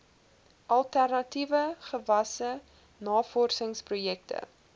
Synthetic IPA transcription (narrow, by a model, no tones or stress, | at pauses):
ʔɐlˠtærnɐtivəχəvɐsə | nɑːfɔrsəŋsprujɛk̚tə̰